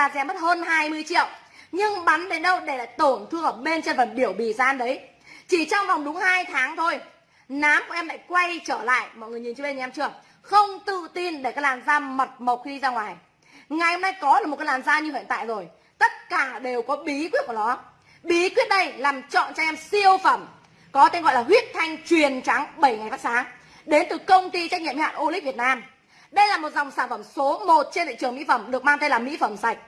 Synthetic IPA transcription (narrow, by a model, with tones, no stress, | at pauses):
laː˨˩zɛ˨˧˩mə˦˥t̚həː˧nhaː˧jmɨ˧əjt͡ɕḭ˧˨əw | ɲɨ˧ŋɓa˨˦nɗe˨˦nɗə˧wɗe˧˩la̰ː˧˨jt̪o˧˩ənt̪ʰɨ˧əʔəː˧˩ɓe˧nt͡ɕe˧nvə˨˩nɓi˧˩əwɓi˧˨˩zaː˧nɗə˨˦j | t͡ɕi˧˩t͡ɕɔ˧wŋ͡mva˨˩wŋ͡mɗʊ˨˦ŋ͡mŋhaː˧jt̪ʰaː˨˦ŋt̪ʰo˧j | naː˨˦mku˧˩əʔɛ˧mla̰ː˧˨jkwa˧jt͡ɕəː˧˩la̰ː˧˨jmɔ̰˧˨jŋɨ˨˩əɲi˨˩nt͡ɕɨ˧ɓe˧nɲ˨˩˨ɛ˧mt͡ɕɨ˧˩əŋ | xə˧wŋ͡mt̪ɨ̰˧˨t̪i˧nɗe˧˩kaː˨˦jlaː˨˩mzaː˧mə˨˩t̚mə˨˩wk͡p̚xi˧zaː˧ŋwaː˨˩j | ŋa˨˩jhə˧mna˧jkɔ˨˦ɗmo˨˩kːa˧˦jlaː˨˩mzaː˧ɲɨ˧hḭ˧˨ənt̪a̰ː˧˨zo˨˩j | t̪ə˦˥t̚kaː˧˩ɗe˨˩wkɔ˨˦ɓi˨˦kwi˦˥ət̚ku˧˩nɔ˨˦ | ɓi˨˦kwi˦˥ət̚ɗə˧jlaː˨˩mt͡ɕɔ̰˧˨nt͡ɕɔ˧ʔɛ˧msi˧əwfə˧˩m | kɔ˨˦t̪e˧nɣɔ̰˧˨jlaː˨˩wi˦˥ət̚t̪ʰa˧jŋ̟t͡ɕwi˨˩ənt͡ɕa˨˦ŋɓə˧˩jŋa˨˩jfaː˦˥k̚saː˨˦ŋ | ɗe˨˦nt̪ɨ˨˩kə˧wŋ͡mt̪i˧t͡ɕa˦˥k̚ɲḭ˧˨mhha̰ː˧˨ʔo˧li̟˦˥vi˨˩ət̚naː˧m | ɗə˧jlaː˨˩mo˨˩t̚za˨˩wŋ͡msaː˧˩nfə˧˩mso˨˦mo˨˩t̚t͡ɕe˧nlḭ˧˨t͡ɕɨ˨˩əŋmḭ˧˥fə˧˩mɗɨ˨˩ək̚maː˧ŋt̪e˧nlaː˨˩mḭ˧˥fə˧˩msa˨˩jk̟̚